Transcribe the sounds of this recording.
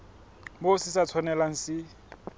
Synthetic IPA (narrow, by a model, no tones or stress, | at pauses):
bosɪsat͡sʰɔnɛlaŋ̩sɪ